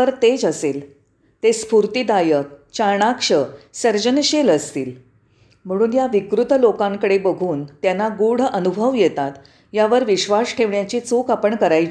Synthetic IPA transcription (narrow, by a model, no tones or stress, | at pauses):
əɾt̪ed͡ʑəsel | t̪espuɾt̪id̪ajək̚t͡ɕaɾɳakʂəsəɾd͡ʑənɕeləst̪ḭːl | m̤əɽ̃uːnjaʋikɾut̪lokãŋkəɽebəɡʱuːnt̪janːaɡuɽ̤ənubʱəʋjet̪at̪ | jaʋəɾʋiɕʋasʈʰeʋɳjat͡ɕiːt͡sukapəɳkəɾaj